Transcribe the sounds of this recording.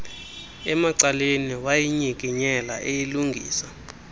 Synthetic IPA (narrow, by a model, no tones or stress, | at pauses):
ɛmaǀaleniwajiɲik̬ʼiɲɛla̰ʔejiluŋɡʱḭːsa